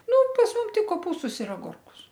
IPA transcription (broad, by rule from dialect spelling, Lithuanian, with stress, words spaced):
ˈnʊ pɐs ˈmʊm ˈtʲɪk koːˈpuːstʊs ɪr ɐˈɡʊrkʊs